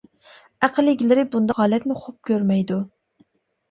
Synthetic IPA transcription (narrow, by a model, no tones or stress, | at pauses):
æqʰəlːɪɡʲilɪɾɪbund̪ɑhɑːlɛt̪nɪχop̚kʲʰøɾmɛjd̪u